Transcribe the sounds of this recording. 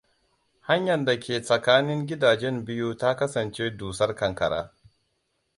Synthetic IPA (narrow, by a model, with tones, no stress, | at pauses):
ha˦ɲjɐ˨nda˨kʲeː˨sʼɐ˨kaː˦nɪ˦ŋɡʲɪ˦daː˨d͡ʒɛ˦mbɪ˦ju˦ta˦kɐ˦sɐ˨nt͡ʃeː˦duː˨sɐ˦rkɐ˨ŋkɐ˨ɽa̰ː˦